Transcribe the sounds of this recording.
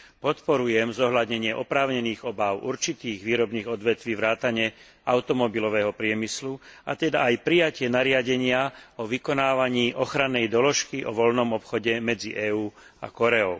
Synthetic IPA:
pɔt̪pɔɾujɛmzɔɦʎad̪ɲɛɲɪɛʔɔpɾaːʊɲɛniːɣɔbaʊʔṵɾt͡ʃit̪iːɣʋiːɾɔbniːɣɔd̪ʋɛt̪ʋiːʋɾaːt̪aɲɛ | aʊt̪ɔmɔbilɔʋɛːɦɔpɾɪɛmislua̰t̪ɛd̪aːjpɾijacɪɛnaɾɪaɟɛɲɪaɔʋikɔnaːʋaɲiːʔɔxɾanːɛjd̪ɔlɔʃkiʔɔʋɔlnɔmɔpxɔɟɛmɛd͡ziʔɛːuːa̰kɔɾɛɔʊ

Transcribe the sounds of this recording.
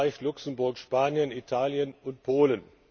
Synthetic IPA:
ɪçlʊksm̩bʊɐkʃpaːnjənitʰaːljənʊnt̚pʰoːlən

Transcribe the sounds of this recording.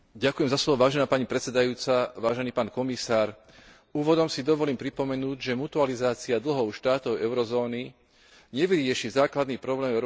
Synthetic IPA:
ɟakujɛmzaslɔʋɔʋaːʒɛnaːpaɲipɾɛt͡sɛd̪ajuːt͡saʋaːʒɛniːpaːnkɔmisaːɾ | uːʋɔd̪ɔmsid̪ɔʋɔliːmpɾipɔmɛnuːɟʒɛmut̪ualizaːt͡siad̪l̩ɦɔʊʃt̪aːt̪ɔʊɛʊɾɔzɔːni | ɲɛʋiɾɪɪɛʃizaːklad̪niːpɾɔblɛːmvɛ

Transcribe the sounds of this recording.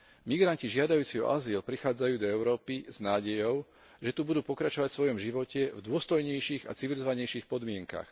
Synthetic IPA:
miɡɾanciʒɪad̪ajuːt͡siɔ̰ʔa̰zilpɾixaːd͡zajuːd̪ɔɛʊɾɔːpiz̥naːɟɛjɔʊ | ʒɛt̪ubud̪uːpɔkɾat͡ʃɔʋacsʋɔjɔmʒiʋɔcɛvd̪ʊɔst̪ɔjɲɛjʃiːɣa̰t͡siʋilizɔʋaɲɛjʃiːxpɔd̪mɪɛŋka̰x

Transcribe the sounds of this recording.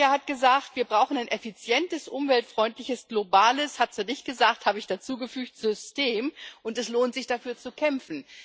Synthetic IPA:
ɐhat̚ɡ̥əzaːktv̥iːɐbʁaʊxn̩aɪnʔɛfit͡sjɛntəsʔʊmvɛltfʁ̥ɔʏntlɪçəsɡ̥lobaːləshatsanɪçt̚ɡ̥əzaːkthaːbəɪçd̥at͡suːɡəfyːktz̥ʏsteːmʔʊntɛsloːntz̥ɪçd̥afyːɐt͡sukʰɛmfn̩

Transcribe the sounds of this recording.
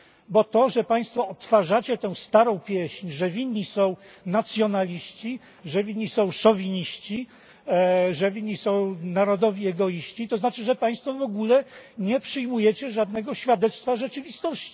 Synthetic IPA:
bɔt̪ɔʐɛpaj̃st̪fɔɔt̪faʐat͡ɕɛt̪ɛ̃w̃st̪aɾɔ̃w̃pʲjɛɕɲʐɛvʲiɲːisɔ̃w̃nat̪sʲjɔnalʲiɕt͡ɕi | ʐɛvʲiɲʲːisɔ̃w̃ʂɔvʲiɲiɕt͡ɕi | ʐɛvʲiɲʲːisɔ̃w̃naɾɔd̪ɔvʲiɛɡɔjiɕt͡ɕit̪ɔznat͡ʂɘʐɛpaj̃st̪fɔvɔɡulɛɲɛpʂɘjmujɛt͡ɕɛʐad̪nɛɡɔɕfʲjad̪ɛt̪st̪faʐɛt͡ʂɘvʲist̪ɔɕt͡ɕi̥

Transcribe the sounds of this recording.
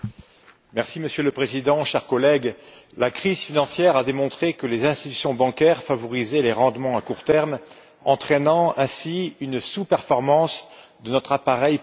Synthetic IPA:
mɛʁsiməsjøləpχezid̪ɑ̃ʃɛʁkɔlɛɡlakχizfinɑ̃sjɛʁad̪emɔ̃t̪χekəlezɛ̃st̪it̪y̥sjɔ̃bɑ̃kʲɛʁfavɔʁizɛleʁɑ̃d̪mɑ̃akuʁt̪ɛʁm | ɑ̃t̪χɛnɑ̃ɛ̃siynsupɛʁfɔʁmɑ̃sd̪ənɔt̪χapaʁɛj

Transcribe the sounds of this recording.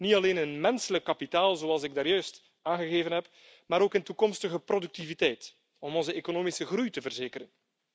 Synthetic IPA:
nitɑleːnɪnmɛnsələkːapitaːlˠzoːɑlˠsɪɡ̚daːɾjœɥst | aːnɣəɣeːvənɦɛp | maːɾoːkɪntukɔmstəɣəprodyk̚tivitɛjt | ɔmɔnzəeːkonoːmisəɣrujtəvərzeːkəɾən

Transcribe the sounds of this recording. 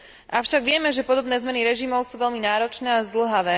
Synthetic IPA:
ʔaʊʃaɡʋɪɛmɛʒɛpɔd̪ɔbnɛːzmɛniɾɛʒimɔʊsuːʋɛʎminaːɾɔt͡ʃnɛːazd̪l̩ɦaʋɛː

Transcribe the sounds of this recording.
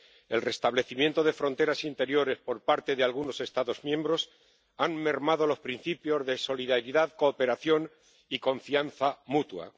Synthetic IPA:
e̞lre̞st̪aβle̞θimje̞nt̪o̞ð̞e̞fɾo̞nt̪e̞ɾasint̪e̞ɾjo̞ɾe̞spo̞ɾpaɾt̪e̞ðealɣuno̞se̞st̪aðo̞zmjẽ̞mbɾo̞s | amme̞ɾmað̞o̞lo̞spɾin̟θipjo̞zðe̞so̞liðaɾiðaðko̞ːpe̞ɾaθjo̞n | iko̞ɱfian̟θamut̪wa̰

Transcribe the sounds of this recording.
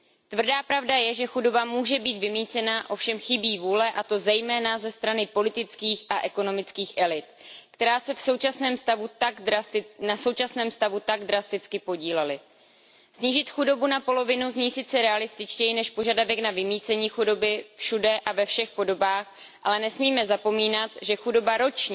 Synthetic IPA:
t̪vr̩daːpɾavdajɛʒɛxudo̞bamuːʒɛbiːt̪vɪmiːt͡sɛnaʔo̞fʃɛmxɪbiːvuːlɛʔat̪o̞zɛjmɛːnazɛst̪ɾanɪpo̞lɪt̪ɪt͡skiːxʔaʔɛko̞no̞mɪt͡skiːxʔɛlɪt̪kt̪ɛɾaːsɛfso̞wt͡ʃasnɛːmst̪avut̪aɡdɾast̪ɪnaso̞wt͡ʃasnɛːmst̪avut̪aɡdɾast̪ɪt͡skɪpo̞ɟiːlɛlɪ | sɲiːʒɪt̪xudo̞bunapo̞lo̞vɪnuzɲiːjsɪt͡sɛɾɛalɪst̪ɪt͡ʃcɛjɪnɛʃpo̞ʒadavɛknavɪmiːt͡sɛɲiːxudo̞bɪfʃudɛʔavɛfʃɛxpo̞do̞baːxʔalɛnɛsmiːmɛzapo̞miːnat̪ʒɛxudo̞baɾo̞t͡ʃɲi

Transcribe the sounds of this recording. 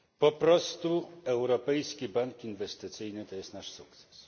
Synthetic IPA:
pɔpɾɔst̪uɛwɾɔpɛjskʲibaŋkinvɛst̪ɘt̪sɘjnɘt̪ɔjɛst̪naʂsuk̚t̪sɛ̥s

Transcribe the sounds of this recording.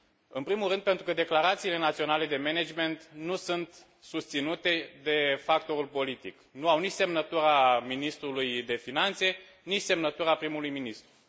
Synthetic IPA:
ɨnpɾimulɾɨnd̪pe̞nt̪ɾukəd̪eklaɾat̪siːle̞nat̪sio̞nale̞d̪e̞mened͡ʒme̞nt̪nusunt̪ | sust̪sinut̪e̞d̪e̞fakt̪o̞ɾulpo̞lit̪ḭknuawnit͡ʃse̞mnət̪uɾaminist̪ɾulujd̪e̞finant̪se̞ | nit͡ʃʲse̞mnət̪uɾapɾimulujminist̪ɾu

